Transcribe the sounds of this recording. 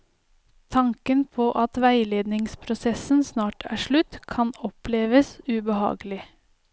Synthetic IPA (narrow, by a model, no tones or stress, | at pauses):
t̪ʰɑŋkənpʰoːʔɑt̪ʋæɪleːd̪nɪŋspʰɾʊsɛsənsnɑːʈʰæ̰ːʂɭʉt̪kʰɑnɔpleːʋəsʉbəhɑ̰ːɡəlɪ